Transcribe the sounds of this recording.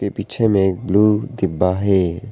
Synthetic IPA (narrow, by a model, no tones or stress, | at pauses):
kepiːt͡ʃʰemẽeːk̚bluːd̪ɪbːaɦɛː